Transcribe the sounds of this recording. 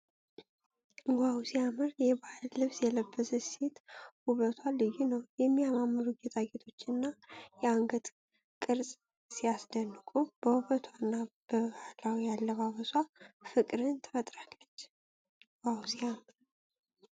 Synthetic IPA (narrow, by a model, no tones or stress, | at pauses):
ɡʷawsiamɨɾjɛbahllɨβsjɛləbːəsəset̪huβət̪ʰwalːɨjunəwjɛmːijamamːɨɾuɡet̪ʰaɡet̪ʰo̞t͡ʃːɨnːajɛaŋɡət̪ | kʼɨɾsʼ | sijasd̪ənːɨkʼub̥əhuβət̪ʰwanːab̥əβahlawijalːəβaβəswafɨkʼɾɨnt̪ʰə̥fət̪ʼɾakːət͡ʃː | ɡwʷawsiamɨɾ